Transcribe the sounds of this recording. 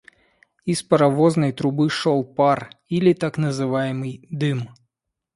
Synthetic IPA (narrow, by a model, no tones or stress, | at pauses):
ispɐɾɐvɔznəjt̪ɾʊbɨʂɔlˠparilʲit̪aknəzɨvajɪmɨjd̪ɨm